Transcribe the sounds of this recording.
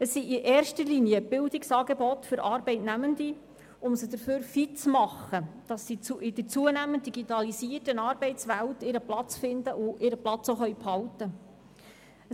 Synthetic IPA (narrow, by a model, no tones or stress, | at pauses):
əsːiiʔɛːɾʃtəlinjəb̥ɪldɪksɑːɡebɔtfʏɾɑːɾbɛɪtnæməndi | ʊmsəd̥̪əɾføːɾfitt͡smɑχəd̥ɑsːiuʔɪdət͡suənæmənt̚diɡitɑlisiərtənɑːɾbɛɪtt͡sʋæltɪɾəplɑt͡sfɪndəʔʊʔɪɾəplɑt͡soχœjphɑltə